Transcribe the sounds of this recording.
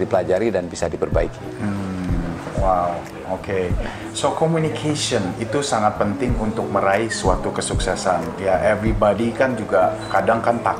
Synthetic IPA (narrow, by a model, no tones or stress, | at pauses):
dipəlad͡ʒaɾidanbisadipərba̰ikim̩ | waw | oke | sokomunikʰesɔnit̪usaŋat̪̚pənt̪ɪŋunt̪ʊk̚məɾaisuat̪ukəsuksɛsan | jaʔɛvɾibadikand͡ʒuɡakadaŋkant̪a